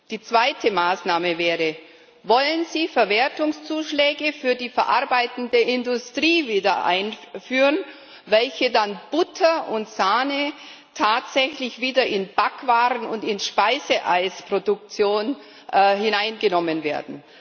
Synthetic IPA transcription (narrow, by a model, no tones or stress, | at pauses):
d̥iːt͡sv̥aɪtʰəmaːsnaːməvɛːʁə | vɔlənziːfɛɐveːɐtʊŋst͡suːʃlɛːɡəfyːɐdiːfɛɐʔa̰ɐbaɪtn̩deːɐɪndʊstʁ̥iːviːdɐʔa̰ɪnfyːʁən | vɛlçədanb̥ʊtʰɐʔʊntz̥aːnə | tʰaːtz̥ɛçlɪçv̥iːdɐʔɪnb̥akv̥aːʁənʊ̰ntɪnʃpaɪzəʔaɪspʁ̥odʊk̚t͡sjoːn | ʔhɪnaɪnɡənɔmənveːɐdn̩